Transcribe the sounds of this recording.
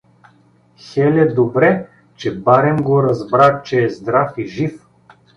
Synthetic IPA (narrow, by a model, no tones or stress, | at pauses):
xɛlʲɛd̪obɾɛ | t͡ʃɛbaɾɛmɡoɾɐzbɾat͡ʃɛːzd̪ɾafiʒif